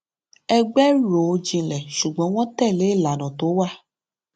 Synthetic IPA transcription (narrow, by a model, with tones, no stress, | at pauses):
ɛ˧ɡ͡bɛ˦ɾo˨˧˦d͡ʒĩ˧lɛ˨ʃu˨ɡ͡bɔ̃˨˦w̃ɔ̃˦tɛ˦˨le˨˦˨la˨nɔ̃˨to˨˦wa˦˨